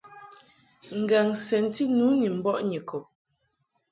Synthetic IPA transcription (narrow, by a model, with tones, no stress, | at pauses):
ŋ̩˨ɡa˨ŋsɛ˨n̩˦ti˦nu˨˦ni˨m̩˦bɔ˦ʔɲi˨kɔ˨p̚